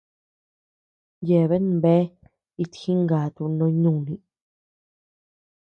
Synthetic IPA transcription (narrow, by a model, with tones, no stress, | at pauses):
je˧˨βe˦ñ˧be˦ | i˧t̪xĩ˦ŋɡa˨t̪u˧nõ˧˦ɲũ˦˨nĩ˧